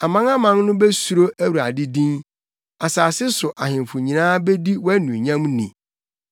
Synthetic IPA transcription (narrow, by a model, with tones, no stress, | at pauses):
a˨mã˦na˦mã˦nnʊ̃˦be˦su˨ɾo˦ʔæ˦wu˨ɾa̰˨dɪ˦dĩ˦n | a˨saː˨sɪ˦sʊ˨ʔa˨ɦɪ̃˨mfʊ˨ɲĩ˨nãː˦be˦di˦wɔ˦æ˦nũ˨ɲã˦mnĩ˨